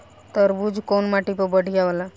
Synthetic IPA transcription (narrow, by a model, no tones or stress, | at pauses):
t̪əɾbud͡ʒʱkonmaʈipəbəɽ̤ʱijaʋəla